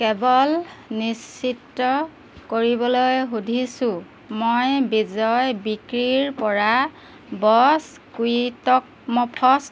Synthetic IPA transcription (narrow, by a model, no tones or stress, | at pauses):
kɛbɔlnisːitːɔ | koɹibɔlojɦudʱisʊ̃ | mojbizɔjbikɹiɹpɔɹa | bɔs | kuitɔk̚mɔpʰɔs